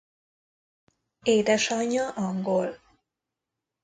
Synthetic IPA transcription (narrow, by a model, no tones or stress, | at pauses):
eːd̪ɛʃɒɲːɒʔɒŋɡol